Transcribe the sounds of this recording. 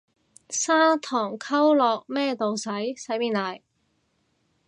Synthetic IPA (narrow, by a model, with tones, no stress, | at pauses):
saː˥t̪ʰɔː˨˩ŋkʰɐ˥wlɔː˨k̚mɛː˥t̪o˨wsɐ˨˥jsɐ˨˥jmiː˨˧nlaː˨˩j